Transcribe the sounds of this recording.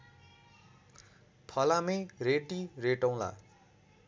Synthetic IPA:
pʰʌlamejreʈireʈaw̃la̰

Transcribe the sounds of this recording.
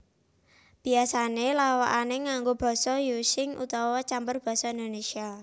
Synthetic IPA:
b̥i̤asanelawa̰ʔaneŋaŋɡob̥ɔ̤sɔjusɪŋṵt̪ɔwɔt͡ʃambərb̥ɔ̤sɔind̪onesia

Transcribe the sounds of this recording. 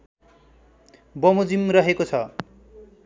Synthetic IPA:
bʌmod͡zimrʌɦekot͡sʰʌ

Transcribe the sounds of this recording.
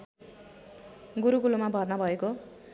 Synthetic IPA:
ɡuɾuɡulomabʱʌrnʌbʱʌeko

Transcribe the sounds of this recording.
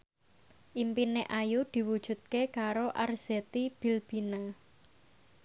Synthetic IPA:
ʔimpineʔajud̪̥i̤wud̥ʒ̥ṳt̪̚kekaɾoʔarz̥et̪ib̥i̤lb̥i̤na

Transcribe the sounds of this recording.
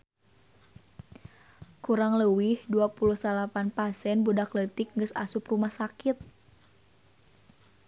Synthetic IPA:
kuɾaŋləwihduapuluhsalapanpasɛnbudaklət̪ik̚ŋɡəsa̰suprumahsakit̪̚

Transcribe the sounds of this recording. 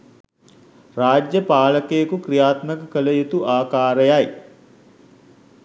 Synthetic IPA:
raːd͡ʒjəpaːləkejəkukrijaːt̪məkəkələjut̪uʔaːkaːɾəjaj

